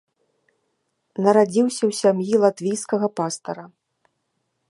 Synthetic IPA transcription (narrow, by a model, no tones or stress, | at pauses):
nɐɾad͡zʲiwsʲɐwsʲamjilˠat̪vʲijskɐɣɐpast̪ɐɾɐ